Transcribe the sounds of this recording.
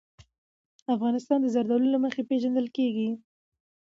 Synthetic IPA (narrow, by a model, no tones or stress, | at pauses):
afɣɑnɪst̪ɑnd̪əzaɾd̪alunlaməxepeʒand̪əlkeɡi